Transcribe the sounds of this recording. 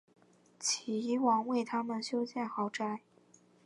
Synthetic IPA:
t͡ɕʰi˨˩i˧˥wɑ˧˥˦ŋwe˥˩ɪt̪ʰa˥mə˨nɕjo˥ʊɕjɛ˥˩nxɑ˨˩˥ʊʈ͡ʂa˥˩ɪ

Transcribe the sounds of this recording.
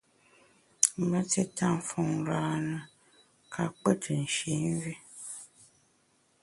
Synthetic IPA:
m̩˨mə˦te˦tʰa˦˨m˨fɔ˦ŋ˨˦ɾaː˦nə˨ | kʰa˦k͡pə˦tʰɨ˨n̩˨ʃe˨˦n˦vi˦

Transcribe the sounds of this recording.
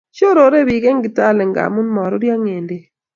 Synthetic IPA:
t͡ʃo˦ɾo˨˦ɾe˦bi˨ɡe˦ŋɡɪ˨ta˦˨lɛ˨ŋɡa̰˨mu˦nmɔ˨ɾɔ˦ɾja˦ŋe˨nde˦

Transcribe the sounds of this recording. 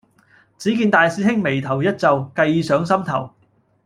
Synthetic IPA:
t͡siː˨˥kiː˧nt̪aː˨˧jsiː˧˥hɪ˥ŋme˨˩jt̪ʰɐ˨˩wjɐ˥t̚t͡sɐ˨wkɐ˧jiː˨˧sœː˨˥ŋsɐ˥mt̪ʰɐ˨˩w

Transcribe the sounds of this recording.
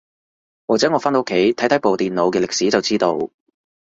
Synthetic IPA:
waː˨k̚t͡sɛː˨˥ŋɔ˨˧faː˥nt̪ːkʰe˨˥jt̪ʰɐ˨˥jt̪ʰjpo˨wt̪iː˨nlo˨˧wkɛː˧lɪ˨k̚si˨˥t͡sɐ˨wt͡siː˥t̪o˧w

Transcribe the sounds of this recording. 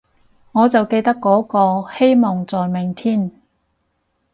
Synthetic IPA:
ŋɔː˨˧t͡sɐ˨wke˧jt̪ɐ˥kːɔː˨˥kɔː˧he˥jmɔː˨˩ŋt͡sɔː˨˩jmɪ˨˩ŋt̪ʰiː˥˩n

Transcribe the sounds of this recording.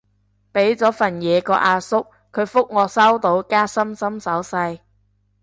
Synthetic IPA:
pe˨˥jt͡sɔː˨˥fɐ˨˩njɛː˨˧kɔː˧ʔaː˧sʊ˥k̚ | kʰːɵ˨˧ɥfʊ˥k̚ŋɔː˨˧sɐ˥wt̪o˨˥wkaː˥sɐ˥msɐ˥msɐ˨˥wsɐ˧j

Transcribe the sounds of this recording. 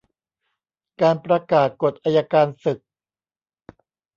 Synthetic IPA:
kaː˧npɾa˧kaː˨˩t̪̚ko˨˩t̪̚ʔaː˧jaː˧kaː˧nsɯ˨˩k̚

